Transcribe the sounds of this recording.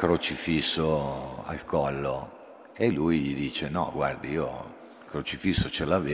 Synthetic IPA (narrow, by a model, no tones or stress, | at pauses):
kɾot͡ʃifisːoa̰lkʰɔlːo | elujʎid̪iːt͡ʃenɔ̰ɡward̪iio̰ | kɾot͡ʃifisːot͡ʃelave